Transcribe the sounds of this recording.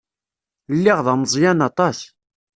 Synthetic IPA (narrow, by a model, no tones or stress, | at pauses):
lːɪʁðɑməzˤjænɑt̪ˤɑs